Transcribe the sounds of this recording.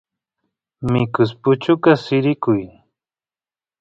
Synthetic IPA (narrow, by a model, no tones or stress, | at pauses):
mɪkʊspʊt͡ʃʊkasɪɾɪkʊj